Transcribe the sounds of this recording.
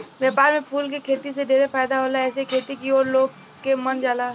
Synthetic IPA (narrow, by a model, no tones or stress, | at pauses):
ʋjaːpaːɾmẽpʰuːlkikʰeːt̪iseɖeːɾefaːjd̪aɦoːlaɛːsekʰeːt̪ikioːɾloːɡ | kemɐnd͡ʒaːlaː